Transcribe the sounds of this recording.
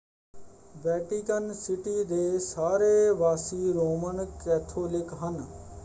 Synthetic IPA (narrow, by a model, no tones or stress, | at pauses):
ʋɛːʈɪkənsɪʈid̪eːsaːɾeʋaːsiɾoːmənkɛːt̪ʰoːlɪkɦən